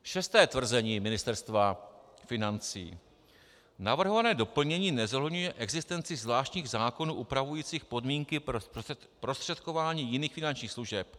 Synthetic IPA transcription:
ʃɛst̪ɛːt̪vr̩zɛɲiːmɪnɪst̪ɛɾst̪va | fɪnant͡sḭː | navr̩ɦo̞vanɛːdo̞pl̩ɲɛɲiːnɛzoɦlɛdɲujɛʔɛɡzɪst̪ɛnt͡sɪzvlaːʃt̪ɲiːɣzaːko̞nuːʔupɾavujiːt͡siːxpo̞dmiːŋkɪ | pɾo̞st̪r̥ɛt̪ko̞vaːɲiːjɪniːxfɪnant͡ʃɲiːxsluʒɛp

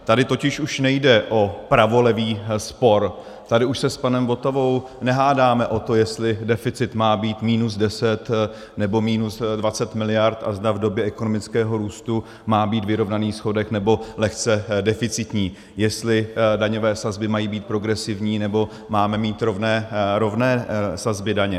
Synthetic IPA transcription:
t̪adɪt̪o̞cɪʃuʃnɛjdɛʔo̞pɾavo̞lɛviːspo̞ɾ | t̪adɪuʃsɛspanɛmbo̞t̪ovo̞w | nɛɦaːdaːmɛʔo̞t̪o̞jɛst̪lɪdɛfɪt͡sɪt̪maːbiːt̪miːnusdɛsɛt̪ | nɛbo̞miːnusdvat͡sɛt̪mɪlɪjaɾt̪ʔa̰zdavdo̞bjɛʔɛkonomɪt͡skɛːɦo̞ɾuːst̪u | maːbiːt̪vɪɾo̞vnaniːsxo̞dɛxnɛbo̞lɛxt͡sɛdɛfɪt͡sɪt̪ɲiː | jɛst̪lɪdaɲo̞vɛːsazbɪmajiːbiːt̪̚pɾo̞ɡɾɛsɪvɲiːnɛbo̞ | maːmɛmiːt̪ɾo̞vnɛːɾo̞vnɛːsazbɪdaɲɛ

